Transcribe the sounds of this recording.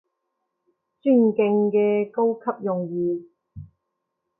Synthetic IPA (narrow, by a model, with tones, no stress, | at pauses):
t͡ʃyː˥˩nkɪ˧ŋkɛː˧ko˥wkʰɐ˥p̚jʊ˨ŋjiː˨